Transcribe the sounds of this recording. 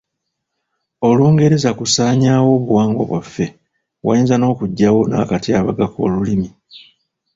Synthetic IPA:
o̞luːŋɡe̞ɾe̞zakusaːɲaːwo̞ːβuwaːŋɡo̞̰βwafːe̞ | wa̰inzano̞ːkuɟːawo̞na̰ːkatiaβaɡako̞̰ːlulimi

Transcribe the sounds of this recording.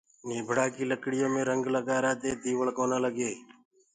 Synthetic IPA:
niːbʱɽaːkiːləkɽɪjõːmẽːɾəŋɡləɡaːɾaːt̪eːt̪iːʋəɭkoːnãːləɡeː

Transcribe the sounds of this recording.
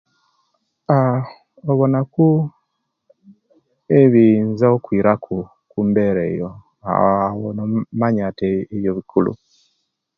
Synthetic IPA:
a | ɔβɔnaku | eβinzaokwiɾakʰu | kumbɛɾɛijɔ | a̰wɔnɔmaɲatɛiβjɔβikʰulṵ

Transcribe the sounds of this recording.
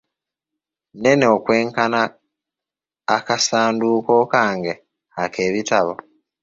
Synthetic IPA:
ne̞neokwe̞ːŋkana | kasaːnduːko̞ːkaːŋɡe | akʰe̞ːβitaβo

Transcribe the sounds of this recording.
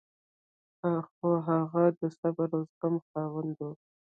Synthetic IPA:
axoɦaɣad̪əsabaɾozɡamxɑwand̪o

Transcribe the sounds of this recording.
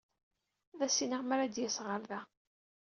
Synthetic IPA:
ðæsiniʁmæɾæd̪jæsʁəɾðæ

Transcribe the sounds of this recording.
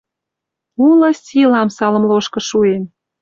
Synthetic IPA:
ulɤ̆sʲilɑmsɑlə̆mloʃkɤ̆ʃuen

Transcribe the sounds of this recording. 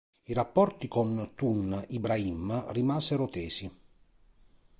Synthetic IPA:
iɾapːɔrt̪ikont̪unibɾaimːarimaːzeɾot̪eːsi

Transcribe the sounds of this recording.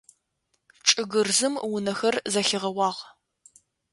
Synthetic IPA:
ʈ͡ʂʼɨɣɨrzɨmwʊnɐxɐrzɐxɪʁɐwɑːʁ

